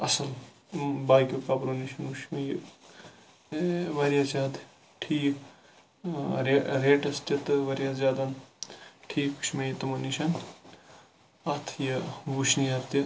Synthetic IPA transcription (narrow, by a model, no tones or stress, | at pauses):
ɐ̰sɐn | baːjkokabɾoniʃɐnuʃmɐj | ʋɐɾijazʲaːd̪ | ʈʰiːk | ɾeɾeːʈɐst̪ɐt̪ɨʋɐɾjazʲaːd̪ɐn | ʈʰiːku̥ʃmɐjit̪umɐniʃɐn | ɐt̪ʰjɐʋuʃniɐɾt̪i